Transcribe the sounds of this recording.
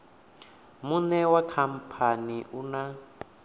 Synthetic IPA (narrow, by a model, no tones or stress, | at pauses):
munɛwakʰam̩pʰaniʔuna